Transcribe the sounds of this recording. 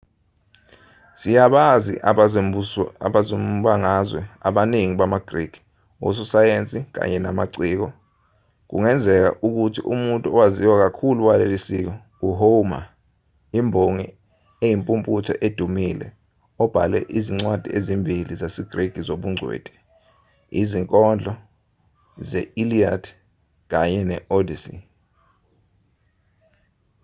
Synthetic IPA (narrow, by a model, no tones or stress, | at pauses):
sijaɓazḭʔ | a̰ɓazomɓaŋazwɛaɓaniŋiɓamaɡ̥riɡ̥ʱi̥ | wo̰s̬usajent͡sʼik̬a̰ɲɛnamaǀiːk̬ɔ | k̬ṵŋɛnd͡zʱɛk̬a̰ʔuk̬utʰiʔumuntʼuɔwaziwak̬akʰuluwalelisik̬ɔ | uɦoma̰ | imbʱoŋi | ejimpʼumpʼutʰɔʔed̥ʱumilɛ̰ | ɔb̥ʱalɛ̰ʔiziŋ͡ǀwad̥ʱiezimbʱilizasiɡ̥reɡ̥ʱizoɓuŋ͡ǀʱwḛːd̥ʱɛ̥ | iziŋkʼɔnd͡ɮʱɔ | zɛiliadʰ | k̬aɲɛnɛʔodisḭ